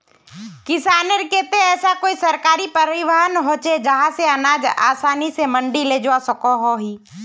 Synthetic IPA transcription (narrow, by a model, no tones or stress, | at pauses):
kɪsaːneɾkeːt̪eɛːsakoːisəɾkaːɾipəɾɪʋəɦənɦoːt͡ʃed͡ʒəɦãseənaːd͡ʒa̰ːsaːnisemə̃ɳɖileːd͡ʒʋasəkoɦoɦiː